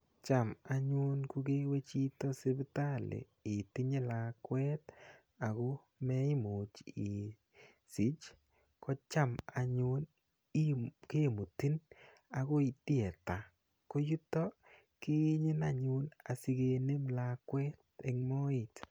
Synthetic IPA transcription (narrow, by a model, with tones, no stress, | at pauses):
t͡ʃa˨ma˨ɲʊ˦nku˦ke˦we˦t͡ʃi˦tɔ˦sɪ˦bta˦lḛ˨ | ɪ˨ti˦ɲe˦la˨kwɛ˦t | a˨ko˦ | mɛ˦i˦mo˨t͡ʃɪ˨ | si˨˦t͡ʃ | kɔ˦t͡ʃa˦ma˨ɲʊ˦n | ke˦˨mu˨ti˦n | a˨ko˦i˨ti˦ɛ˨ta˨ | ko˦ju˦tɔ˦ | kɪ˦ɲɪ˦na˨ɲʊ˦na˨si˧ɡe˧ne˦mla˨kwɛ˦te˨ŋmɔ˦ɪ˨t